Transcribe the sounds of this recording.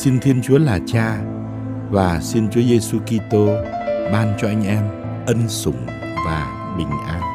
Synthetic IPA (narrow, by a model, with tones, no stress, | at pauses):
si˧nt̪ʰi˧ənt͡ɕu˨˦əlaː˨˩t͡ɕaː˧ | vaː˨˩si˧nt͡ɕu˨˦əze˧su˧ki˧t̪o˧ɓaː˧nt͡ɕɔ˧ʔa˧jŋ̟ʔɛ˧m | ʔə˧nsʊ˨˩ŋ͡m | vaː˨˩ | ɓï˨˩ŋ̟ʔaː˧n